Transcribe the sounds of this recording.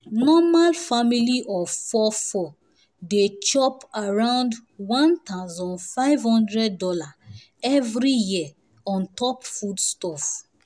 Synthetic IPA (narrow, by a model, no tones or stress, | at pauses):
nɔmalfamiliʔɔvfɔfɔ | det͡ʃɔpaɹãʊ̃ndwãntaʊzɔ̃nfaɪvhɔ̃ndɹɛdːɔla | ɛvɾijia | ɔ̃ntɔpfudstɔf